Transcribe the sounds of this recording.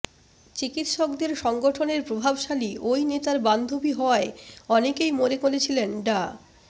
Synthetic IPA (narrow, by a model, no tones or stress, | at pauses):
t͡ɕikit̪ʃɔkd̪eɾʃɔŋɡoʈʰoneɾpɾobʱabʃaliʔojnet̪aɾband̪ʱobiɦɔeɔnekejmoɾekolet͡ɕʰilenɖa